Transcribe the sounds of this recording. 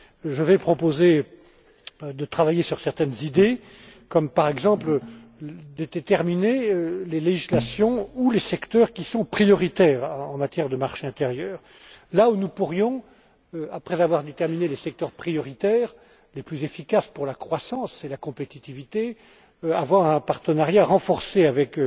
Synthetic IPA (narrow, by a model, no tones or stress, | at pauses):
ʒəvɛpχɔpoze | d̪ət̪χavajesyʁsɛʁt̪ɛnzid̪e | kɔmpaʁɛɡzɑ̃pl | d̪et̪et̪ɛʁmineøleleʒislasjɔ̃ulesɛkt̪œʁkʲisɔ̃pχijɔʁit̪ɛːʁɑ̃mat̪jɛʁd̪əmaʁʃeɛ̃t̪eʁjœːʁ | launupuʁjɔ̃ | øapχɛzavwaʁd̪et̪ɛʁminelesɛk̚t̪œʁpχijɔʁit̪ɛːʁ | leplyzefikaspuʁlakχwasɑ̃selakɔ̃pet̪it̪ivit̪e | avwaʁɛ̃paʁt̪ənaʁjaʁɑ̃fɔʁseavɛk